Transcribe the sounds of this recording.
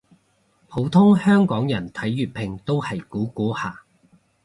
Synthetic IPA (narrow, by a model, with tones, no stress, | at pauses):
pʰo˨˥wt̪ʰʊ˥ŋhœː˥ŋkɔː˨˥ŋjɐ˨˩nt̪ʰɐ˨˥jːyː˨t̚pʰɪ˨˩ŋt̪o˥whɐ˨˩jkuː˨˥kuː˨˥haː˨˩